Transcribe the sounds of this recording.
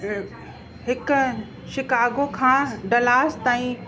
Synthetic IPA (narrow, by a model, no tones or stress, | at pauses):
ɦɪkʊ̆ | ʃɪkaːɡokʰãːɖɐlaːst̪aːĩ